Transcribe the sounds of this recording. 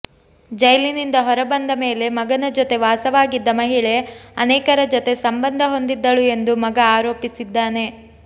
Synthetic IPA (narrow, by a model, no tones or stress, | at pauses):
d͡ʒɐjlinind̪ɐɦɔɾɐbɐnd̪ɐme̞ːle̞mɐɡɐnɐd͡ʒot̪e̞ʋaːsɐʋaːɡid̪ːɐmɐɦiɭe̞ɐnɛːkɐɾɐd͡ʒot̪e̞sɐmbɐnd̪ʱɐɦo̞nd̪id̪ːɐɭue̞nd̪umɐɡɐaːɾo̞ːpisid̪ːaːne̞